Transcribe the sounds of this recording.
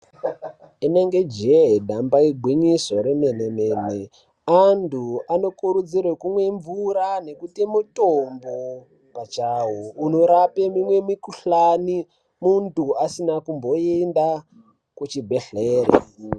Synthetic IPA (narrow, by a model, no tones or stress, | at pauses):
ineŋɡe̞d͡ʒeɦdʱambaiɡʱwiɲisoɾemenemene | antʰuano̞kuɾud͡zirwekumwe̞ɱvuɾane̞kutimutombo | pat͡ʃawounoɾapemimwe̞mikuɬani | muntuasinakumbo̞enda | kut͡ʃibʱeɬeːrḛ